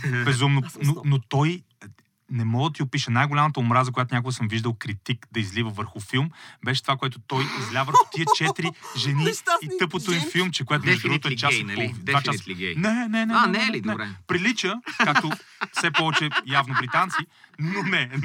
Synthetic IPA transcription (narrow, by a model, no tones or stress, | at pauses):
bɛzumnononot̪ɔj | nɛmɔɡəd̪ɐt̪iʊpiʃənajɡʊlʲamət̪əʊmɾazəkojat̪ʊnʲakoɡəsəmviʒd̪əlˠkɾit̪ikd̪ɐizlivəvəɾxʊfilˠmbɛʃɛt̪ovakoɛt̪o̥t̪ɔjizlʲavəɾxo̥t̪iət͡ʃɛt̪ɾiʒɛniit̪ɤpət̪ifilˠmt͡ʃɛk̬ojɛt̪nɛʒd̪ɾuɡot̪oɛt͡ʃasɔd̪vat͡ʃasiɡɛnɛnɛnɛnɛdnɛɾɛpɾilit͡ʃəkakt̪ofsɛpɔvɛt͡ʃɛjavnobɾit̪ant̪sinonɛ